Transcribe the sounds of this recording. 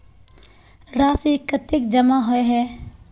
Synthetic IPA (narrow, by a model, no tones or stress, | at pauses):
ɾaːsikːət̪ɪkd͡ʒɐmaɦoeɦɛː